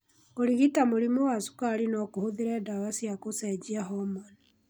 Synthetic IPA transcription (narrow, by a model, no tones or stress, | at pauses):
oɾiɣitamoɾimowasu̥kaɾinɔkohoðiɾɛdaβasjakosɛd͡ʒiaɦɔmani